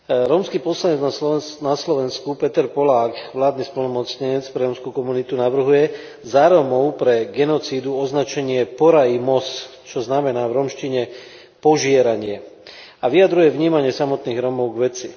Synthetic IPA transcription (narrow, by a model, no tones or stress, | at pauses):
ɾɔːmskiːpɔslaɲɛd͡znanaslɔʋɛnskupɛt̪ɛɾpɔlaːkʋlaːd̪nispɔlnɔmɔt͡sɲɛɲɛt͡spɾɛɾɔmskukɔmunit̪unaʋr̩ɦujɛ | zaɾɔmɔʊpɾɛɡɛnɔt͡siːd̪uɔznat͡ʃɛɲɪɛpɔɾaimɔs | t͡ʃɔznamɛnaːʋɾɔmʃciɲɛ | pɔʒɪɛɾaɲɪɛ | aʋiad̪ɾujɛʋɲiːmaɲɪɛsamɔt̪niːɣɾɔmɔʊɡʋɛt͡si